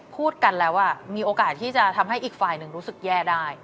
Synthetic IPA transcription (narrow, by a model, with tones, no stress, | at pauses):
pʰuː˥˩t̪̚ka˧nlɛː˦˥wʔa˥˩miː˧ʔoː˧kaː˨˩t̪̚ʰiː˥˩t͡ɕa˨˩t̪ʰa˧mɦa˥˩jʔiː˨˩k̚faː˧jnɯ˨˩ŋɾuː˦˥sɯ˨˩k̚jɛː˥˩daː˥˩j